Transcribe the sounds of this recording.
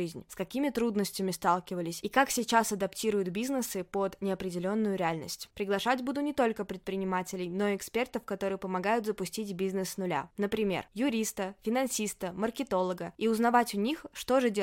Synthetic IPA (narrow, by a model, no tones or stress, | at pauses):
ɨzʲnʲskɐkʲimʲɪt̪ɾud̪nəsʲtʲɪmʲɪst̪alˠkʲɪvəlʲɪsʲikaksʲɪt͡ɕasɐd̪ɐptʲiɾʊjʊt̪bʲiznɨsɨpod̪nʲɪɐpɾʲɪdʲɪlʲo̞nːʊjʊɾʲɪalʲnə̰sʲtʲpɾʲɪɡlˠɐʂatʲbud̪ʊnʲɪt̪o̞lʲkəpɾʲɪt̪̚pɾʲɪnʲɪmatʲɪlʲɪjno̞ɪkspʲe̞rt̪əfkɐt̪o̞ɾɨjəpəmɐɡajʊt̪zəpʊsʲtʲitʲbʲiznɨsnʊlʲa̰nəpɾʲɪmʲe̞̰rjʊɾʲist̪əfʲɪnɐnsʲist̪əmərkʲɪt̪o̞lˠəɡəiʊznɐvatʲʊnʲixʂt̪o̞ʐɨdʲe